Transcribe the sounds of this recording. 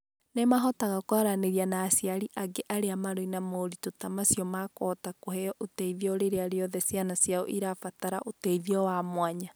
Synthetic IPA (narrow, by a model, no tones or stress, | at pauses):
nemaɦɔtaɣakwaɾaneɾianaːsjaɾiʔaɡeʔaɾeamaɾoinamoːɾitotamasiɔmakɔːtakohɛɔʔotɛiðiɔɾeɾeaɾeɔðɛsjanasjao̰ʔiɾafataɾa̰ʔotɛiðiɔwamwaɲa